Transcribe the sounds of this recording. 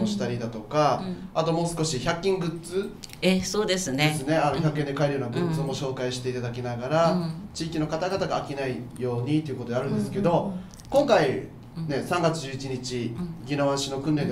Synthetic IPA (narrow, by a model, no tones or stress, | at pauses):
oɕi̥t̪aɾʲid̪at̪o̞kaat̪o̞mo̞ːsɨ̥ko̞ɕiçʲakʲːĩŋɡɯ̟tt͡sɨ | esoːd̪e̞sɨneesɨne̞anoçʲakːẽnd̪ekaeɾɯ̟joːnaɡɯ̟tt͡sɨmo̞ɕo̞ːkaiɕi̥t̪e̞it̪ad̪akʲinaɡaɾat͡ɕiːkʲino̞kat̪aɡat̪aɡaːkʲinaijo̞ːɲ̟it̪eiɯ̟kot̪eaɾɯ̟̃nd̪e̞sɨ̥ke̞d̪o̞ | kõ̞ŋkai | ne̞sãŋɡat͡sɨd͡ʑɨit͡ɕiɲ̟it͡ɕiɡʲinoβaɕino̞kɯ̟̃nɾe̞n